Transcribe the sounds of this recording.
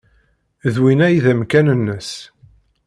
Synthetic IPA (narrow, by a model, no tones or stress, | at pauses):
ðwinæjðæmkænənːəs